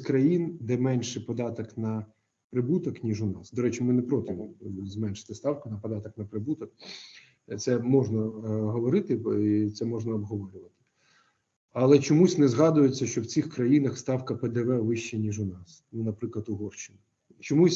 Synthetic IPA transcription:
kɾɐjind̪ɛmɛnʲʃɪpɔd̪ɑt̪ɐknɐ | pɾɪbut̪ɐknʲiʒʊnɑsd̪ɔɾɛt͡ʃimɪnɛpɾɔt̪ʲɪmzmɛnʃɪ̥t̪ɪst̪ɑwkʊnɐpɔd̪ɑt̪ɔknɐpɾɪbut̪ɔk̚ | t̪sɛmɔʐnɐɦɔʋɔɾɪt̪ɪit̪sɛmɔʒnɐɔbɦɔʋɔɾʲʊʋɐt̪ɪ̥ | ɐlˠɛt͡ʃɔmusʲnɛzɦɑd̪ʊjet͡sʲːɐʃt͡ʃɔwt͡sʲixkɾɐjinɐxst̪ɑwkɐpɛd̪ɛʋɛʋɪʃt͡ʃɛnʲiʒʊnɑsnunɐpɾɪklˠɐt̪ʊɦɔrʃt͡ʃːɪnɐ | t͡ʃɔmusʲ

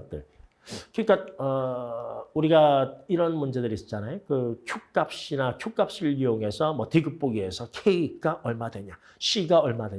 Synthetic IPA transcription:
t͈ɯɭ | kɯk͈aʌ | uɾiɡaiɾʌnmund͡ʑe̞dɯɾis͈ʌ̥t͡ɕ͈anajokɯkʰuk̚k͈ap̚ɕ͈inakʰjuk͈ap̚ɕ͈iɭioŋe̞sʰʌmʌtiɡɯp̚p͈oɡie̞sʰʌkʰeiɡ͈aʔʌɭmadwe̞ɲa | ɕ͈ʰiɡaʌɭmadwe

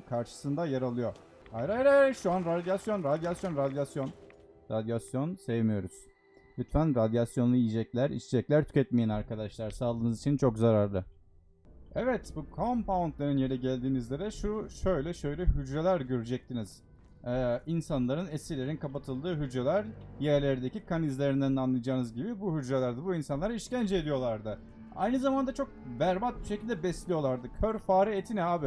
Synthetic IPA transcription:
kʰaɾʃɯ̥sɯnd̪ajaɾalˠɯjo̞ | ajɾajɾaʃuanɾad̪jasjo̞nɾad̪jasjo̞nɾad̪jasjo̞nɾad̪jasjo̞nsevmijo̞ɾuz̥ | lʲyt̪fænɾad̪jasjo̞nlˠuijid͡ʒɛclʲæɾḭt͡ʃʰɛd͡ʒɛclʲæɾt̪ʰy̥cʰʲɛt̪̚mijænaɾkad̪aʃlˠaɾsaːlˠɯːnɯzit͡ʃʰint͡ʃʰo̞kzaɾaɾlˠɯ | ɛvɛt̪bukʰompaunt̪lʲˠeɾɯnjeɾɛɟælʲd̪iːnizlʲeɾɛʃuʃø̞jlʲɛʃø̞jlʲɛhyd͡ʒɾelʲæɾɟøɾyd͡ʒɛc̚t̪ʰiniz̥ | ɛːinsanlˠaɾɯnesʲilʲe̞ɾinkʰapat̪ʰɯlˠd̪ɯːɦyd͡ʒɾelʲæɾjæɾlʲeɾid̪ecikʰanizlʲeɾind̪ænanlˠajad͡ʒaːnɯzɟibibuhyd͡ʒɾelʲæɾd̪ɯbuinsanlˠaɾaiʃcænd͡ʒed̪ijo̞lˠaɾd̪ɯ | a̰jnɯzamand̪at͡ʃʰo̞k̚væɾbat̪̚biʃecʰilʲd̪ɛbɛslʲijo̞lˠaɾd̪ɯcʰøɾfaːɾiet̪ʰinɛaːbi

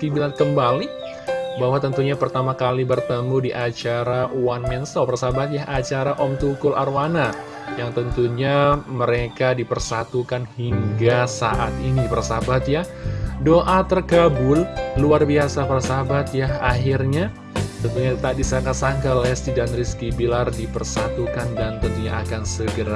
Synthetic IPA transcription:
kibilankəmbali | baɦwat̪ənt̪uɲapərt̪amakalibərt̪əmudiʔat͡ʃaɾawanmɛnsɔpərsabat̪̚jaɦʔat͡ʃaɾaʔɔmt̪ukʊlarwana | jaŋt̪ənt̪uɲaməɾekadipərsat̪ukanhiŋɡasa̰ʔat̪inipərsabat̪̚jadoʔat̪ərkabʊlluarbiasapərsabat̪̚jahaɦirɲa | t̪ənt̪uɲat̪adisaŋkasaŋkalɛst̪idanɾiskibilardipərsat̪ukandant̪ənt̪uɲaakansəɡəɾa

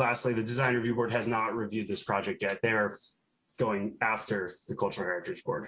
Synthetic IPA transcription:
læstˡliðɨdɨzãɪ̃nɹɨvjʉbɔɹd̚ɦɨznət̚ɹivjʉd̪̚ðɪspʰɹ̥ɑd͡ʒɛk̚t̚jɛt̪̚ðə | ɡ̥oʊɪ̃ŋæftə˞ðɨkʰʌlˠt͡ʃə˞l̩ˠhɛɹɨtɹɨd͡ʒbɔ̰ɹd̥

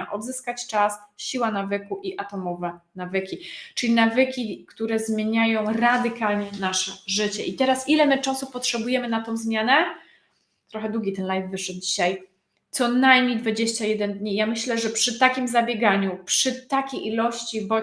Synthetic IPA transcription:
ʔɔd̪zɘskat͡ɕt͡ʂasɕiwanavɘkuʔiʔat̪ɔmɔvɛnavɘkʲit͡ʂɘlʲinavɘkʲikt̪uɾɛzmʲjeɲajɔ̃w̃ɾad̪ɘkalɲɛnaʂɛʐɘt͡ɕɛʔit̪ɛɾasilɛmɘt͡ʂasupɔtʂɛbujɛmɘnat̪ɔ̃w̃zmʲjanɛ | t̪ɾɔxɛd̪wuɡʲit̪ɛnlajvːɘʂɛd̪̚d͡ʑiɕaj | t̪sɔnajmɲejd̪vad͡ʑeɕt͡ɕajɛd̪ɛnd̪ɲijamɘɕlɛʐɛpʂɘt̪akʲimzabʲjeɡaɲupʂɘt̪akʲejʔilɔɕt͡ɕibɔ

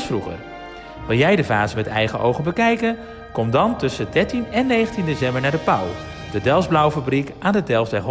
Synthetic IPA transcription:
fruχə̰r | ʋɪlˠjɛjdəvaːzəmɛtɛ̰jχəʔowχənbəkɛjkən | kɔmdɑntɵsədɛɹtinɛnːejχəntindesɛmbəɹnaːɹdəpaw | d̥ədɛlˠzblawfabrikʔaːndədɛlˠzdɛɦ

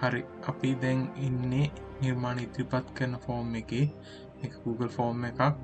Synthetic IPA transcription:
haɾi | ɐpid̪ɛŋinːe | niɾmaːnit̪ɾipat̪kəɾnəfoːmeke | ekə̥ɡuːɡəlfoːmekak

